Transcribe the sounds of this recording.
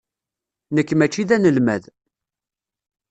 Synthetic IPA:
nəkːmæt͡ʃːiðænəlmæð

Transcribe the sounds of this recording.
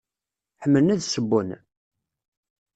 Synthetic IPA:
ħəmːələnæðsəbːʊn

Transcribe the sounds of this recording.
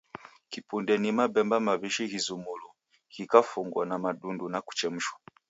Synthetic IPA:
kipundɛnimabɛmbamaβiʃihizumulu | hikafuŋɡwanamaɗundunaku̥t͡ʃɛm̩ʃwḁ

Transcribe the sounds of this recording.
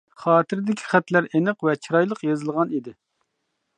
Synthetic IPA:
χɑːt̪ʰɪɾɪd̪ɪkʲʰi̥χæt̪læɾenɨqvɛt͡ʃʰiɾɑjlˠəqjɑzɨlˠʁɑnid̪ɪ

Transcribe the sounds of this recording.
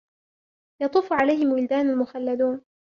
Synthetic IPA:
jɑt̪ˤuːfʕalajhɪmwɪld̪aːnalmʊxalːad̪uːn

